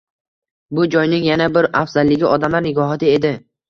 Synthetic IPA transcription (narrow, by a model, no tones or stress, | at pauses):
bʊd͡ʒɒjnɪŋjanabɪɾafz̥alːɪɡʲɪʔɒd̪amlaɾnɪɡɒɦɒt̪ʰɪe̞d̪ɪ